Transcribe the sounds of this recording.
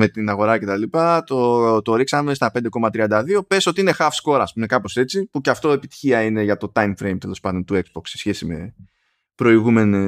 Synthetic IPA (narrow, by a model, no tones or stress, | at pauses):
me̞t̪inaɣo̞ɾɐce̞t̪ɐlipɐt̪ot̪o̞ɾiksɐme̞st̪ɐpe̞nd̪e̞ko̞mɐt̪ɾiɐnd̪ɐðio̞peso̞t̪iine̞xɐfsko̞ɾɐspume̞kɐpo̞se̞t͡sipuceɐft̪o̞e̞pi̥t̪i̥çiɐine̞ʝɐt̪o̞t̪ɐjmfɾe̞jmt̪e̞lo̞spɐnd̪o̞nt̪ue̞ksb̥o̞kssesçe̞sime̞̰ | pɾo̞iɣume̞ni